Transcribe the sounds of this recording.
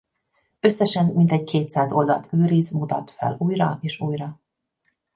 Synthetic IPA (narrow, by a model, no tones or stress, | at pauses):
ø̞sːɛʃɛnmint̪ɛɟkʰeːt̪saːzo̞ld̪ɒ̰lt̪ʰøːɾizmut̪ɒ̰t̪fɛ̰luːjrɒ̰eːʃuːjrɒ